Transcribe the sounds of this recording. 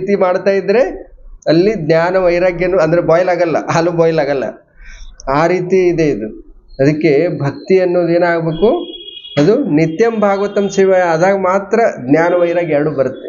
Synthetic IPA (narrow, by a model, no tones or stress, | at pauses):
t̪imaːɽt̪aːjid̪ːɾe̞ɐlːid̪njaːnɐʋɐjɾaːɡjɐnːuɐnd̪ɐɾebɔːjɐlaːɡɐlːɐ̰ʔaluːbɔːjlaːɡɐlːɐ̰ | aːɾiːt̪iːd̪e̞id̪u | ɐd̪ɐkːe̞bʱɐk̚t̪iɐnːoːd̪eːnaːɡbe̞ːkuɐd̪unit̪jɐmbʱaːɡɐʋɐt̪ɐmsiʋɐjɐd̪aːɡmaːt̪ɾɐd̪njaːnɐʋɐjɾaːɡɛɾɐɽubɐɾut̪ːe